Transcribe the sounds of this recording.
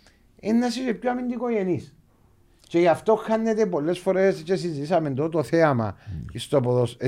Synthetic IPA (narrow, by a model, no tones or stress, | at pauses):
enːɐsisepçoamind̪ikojenis | t͡ʃejɐft̪oxɐnːet̪epolːe̞sfo̞ɾest͡ʃesizit̪isɐmend̪ot̪oθeɐmɐ̰ist̪opoðos